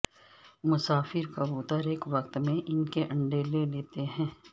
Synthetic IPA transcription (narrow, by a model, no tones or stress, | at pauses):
mʊsaːfɪɾkaboːt̪aɾeːkʋɐkt̪mẽʔɪnkeʔɐ̃ɳɖeːleleːt̪eɦɛ̃ː